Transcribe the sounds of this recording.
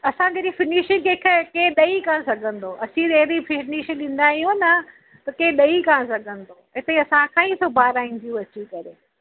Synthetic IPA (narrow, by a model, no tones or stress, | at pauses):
ɐsãd͡ʑɐɾifɪniʃɪ̃keːkʰekeːɗɐikãːsɐɡʱə̃n̆d̪oːɐsĩeɦɾifɪniːʃɗĩːnd̪aːɦijũnɐ | t̪ɐkeːɗɐikãːsɐɡʱə̃nd̪oːɦɪt̪ɐ̃ĩɐsãkʰãːisoːbʱaːɾaːĩn̆t̪ijũɐt͡ɕikɐɾeː